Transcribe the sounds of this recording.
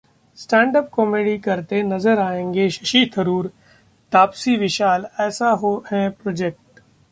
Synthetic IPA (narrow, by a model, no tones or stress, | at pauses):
sʈɛ̃ːɳɖəp̚kɔːmeːɖikɐɾt̪enɐzəɾaːẽːŋɡeʃɐʃit̪ʰəɾuːɾ | t̪aːpsiʋɪʃaːlɛːsaɦoɦɛ̃pɾɔːd͡ʒek̚ʈ